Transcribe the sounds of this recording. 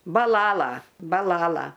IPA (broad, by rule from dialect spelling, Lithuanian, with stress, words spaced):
bɐˈlˠɑːlˠɐ bɐˈlˠɑːlˠɐ